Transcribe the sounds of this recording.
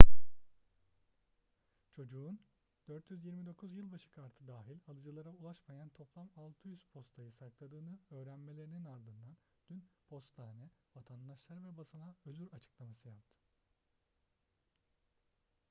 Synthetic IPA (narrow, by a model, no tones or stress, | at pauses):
t͡ʃʰo̞d͡ʒuːn | d̪̥øɾt̪jyzjiɾmid̪o̞kʰuzjɯlˠbaʃɯ̥kʰaɾt̪ʰɯd̪aːɦilʲalˠɯd͡ʒɯlˠaɾaulˠaʃmajant̪ʰo̞plˠamalˠt̪ʰɯjyz̥pʰo̞st̪ʰajɯsaklˠad̪ɯːnɯø̞ːɾænme̞lʲe̞ɾininaɾd̪ɯnd̪an | d̪̥ynpʰo̞st̪aːnɛvat̪ʰand̪aʃlˠaɾvɛbasɯnaøzyɾat͡ʃʰɯ̥klˠamasɯjap̚t̪ʰɯ̥